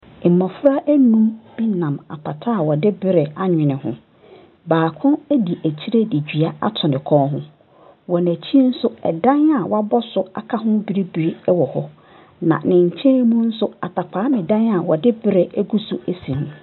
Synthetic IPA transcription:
mːɔ̃˨fɾa˦ʔæ˦nũ˦mbĩ˦nã˨ma̰˨pʰa˨tʰa˦˨wɔ˨dɪ˦bɪ˦ɾɪ˨a˦ɲᶣɪ̃˨nɪ̃˨hʊ̰̃˦ | baː˨kʰʊ̃˦æ˦di˨ʔæ˨t͡ɕʰi˦ɾe˦di˨d͡ʑᶣi˨a˦a˦tʰʊ˨nɪ̃˨kʰɔ̃ː˦ɦʊ̰̃˦ | wɔ˨næ˨t͡ɕʰi˦n̩˦sʊ˦ɛ̰˨dã˦na˨wɔ˦a˦bɔ˦sʊ˦a̰˨kʰa˦ɦʊ̃˦bi˦ɾi˦bi˨ɾi˦wɔ˨hɔ˦ | nã̰˨nɪ̃˨ɲ̩˨t͡ɕʰɛ̃˦mũ˦n̩˦sʊ˦a̰˨tʰa˨pʰaː˨˦mɪ̃˨dã˦na˨wɔ˨dɪ˦bɪ˦ɾɪ˨æ˦ɡu˦sʊ˦æ˦sĩ˨mʊ̃˨

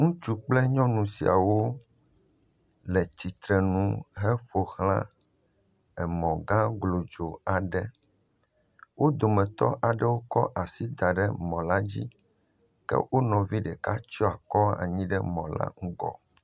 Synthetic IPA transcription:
ŋũ˦t͡ʃu˦k͡plɛ˦ɲɔ̃˦nũ˨si˨a̰˨wo˦ | lɛ˨t͡ɕi˨t̪ɾɛ˨nũ˦ɦɛ˦ɸo˨xlã˦ | ɛ˨mɔ̃˨ɡã˦ɡlo˨d͡ʒo˨a˨ɖɛ˦ | wʔo˦d̪o˨mɛ̃˨t̪ɔ̰˦ʔa˨ɖɛ˦wo˦kɔ˦ʔa˨si˦d̪a˨ɖɛ˦mɔ̃˨la˦d͡ʑḭ˦ | kɛ̰˦wʔo˦nɔ̃˨vi˦ɖɛ˨ka˦t͡ʃɔ˦a˨kɔ˦a̰˨ɲĩ˦ɖɛ˦mɔ̃˨la̰˦ŋ̩˦ɡɔ̰˨

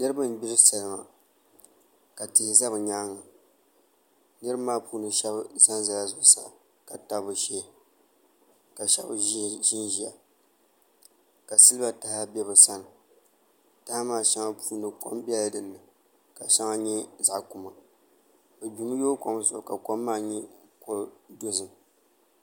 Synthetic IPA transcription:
nɨ˦ɾɨ˦bɨ˦m˦bi˦ɾɨ˦sa˨lɨ˨ma̰˨ | ka˨tɪ˨hɪ˨za˦bɨ˨ɲaː˦ŋa˨ | nɨ˦ɾɨ˦maː˦puː˦nɨ˨ʃɛ˦bsa˦nza˨la˨zʊ˨ʔsa̰˦˨ | ka˨ta˨bɨ˨ʃe˦ | ka˨ʃɛ̰˦bʒɪ˦nʒi˨a̰˨ | ka˨sɨ˦lɨ˦ba˨ta˨ha˦bɛ˦bɨ˨sa˦nɨ˨ | ta˦ha˦maː˦˨ʃa˦ŋa˦pʰuː˦nɨ˨ko̰˦mbɛ˦la˦dɨ˨nːɨ˨ | ka˨ʃa˦ŋa˦ɲɛ˦za˨ʔkʊ˨ma˨ | bɨ˨bu˨m˦joː˦ko˦m˦sʊ˨ʔka˨ko˦mːaː˦˨ɲɛ˦ko˦do˦zɨ˨m

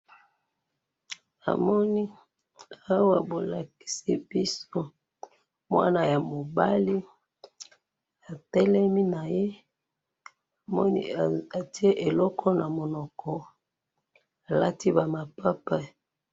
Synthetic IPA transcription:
a̰˨mɔ˦ni˦ | a˦wa˨bo˨la˨ki̥˨si˦b̥i˦so˦ | mwa̰˦na˨ja˨mo˨ba˦li˦ | a˨tɛ˦lɛ˦mi˦na˨je˦ | a˨mɔ˦nḭ˦a˨ti˦e˦ʔe˨lɔ˦kʰɔ˦na˨mo˨nɔ˨kʰɔ˨ | a˨la˦ti˦ba˨ma˨pa˦pa˦

